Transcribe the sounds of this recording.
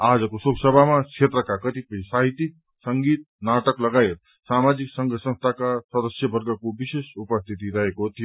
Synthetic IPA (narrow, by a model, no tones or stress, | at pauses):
ad͡zəkosoɡsəbʱamakʰet̪ɾəkakət̪ipəisaɦit̪ik̚ | səŋɡiːt̪̚ | naʈəkləɡajet̪ | samad͡ʒiksəŋɡʱəsə̃nst̪ʰakasəd̪əsjəbʱəɾɡəkobisesupəst̪ʰit̪iɾəɦekot̪ʰijo